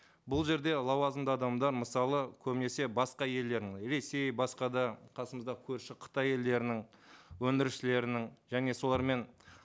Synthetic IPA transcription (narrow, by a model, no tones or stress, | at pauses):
bʊlˠʒe̞ɾd̪e̞lˠɑwɑzəmd̪ɑɑd̪ɑmd̪ɑɾməsɑlˠəkʲʰɵbɪne̞se̞bɑsqɑje̞ld̪e̞ɾd̪ɪŋɾe̞se̞jbɑsqɑd̪ɑqʰɑsəməzd̪ɑkʲʰɵɾʃɪqʰə̥t̪ɑje̞ld̪e̞ɾɪnɪŋwɵnd̪ɪɾɪʃɪle̞ɾɪnɪŋʒæne̞so̞lˠɑɾme̞n